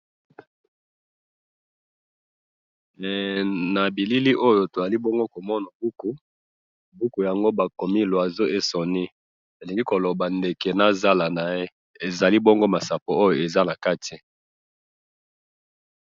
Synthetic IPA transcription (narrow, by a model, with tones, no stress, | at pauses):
na˨bi˨li˦li˦ʔo˦jo˨to˨za˨li˦bo˦ŋɡo˦ko˨mɔ˦na˨bu˦ku˨ | bu˦ku˨ja˨ŋɡo˦ba˨ko˨mi˦˨lo˨a˨zo˦e˦sɔ˨ni˦ | e˨li˨ŋɡi˦ko˨lo˨ba˨nde˨ke˨na˦za˦la˨na˨je˦ | e˨za˨li˦bo˦ŋɡo˦ma˨sa˨po˨o˦jo˨e˨za˦na˨ka˦tʰi˨